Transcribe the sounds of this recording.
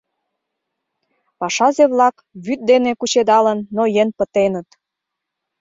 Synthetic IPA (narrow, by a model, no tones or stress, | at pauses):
pɑʃɑzeβlɑk | βyt̪̚d̪enekut͡ɕed̪ɑlə̆nːojenpə̆t̪enət̪